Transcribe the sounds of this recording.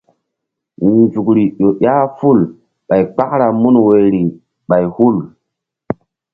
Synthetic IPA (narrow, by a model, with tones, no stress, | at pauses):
nd͡ʒu˨kɾi˨ɗo˨ʔa˦fu˦˨l | ɓa˨jk͡pa˦kɾa˨mu˦nwe˨ɾi˨ | ɓa˨jhu˦˨l